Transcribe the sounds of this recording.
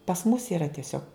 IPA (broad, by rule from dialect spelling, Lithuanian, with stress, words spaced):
pɐs mʊs iːˈrɐ tʲiɛˈsʲoːk